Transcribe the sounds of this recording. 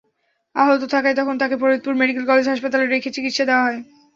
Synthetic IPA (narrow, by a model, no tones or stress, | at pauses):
aɦot̪ot̪ʰakajt̪ɔkʰont̪akepɔɾot̪̚puɾmeɖikelkɔled͡ʑɦaʃpat̪aleɾekʰet͡ɕikit̪ʃad̪eoaɦɔe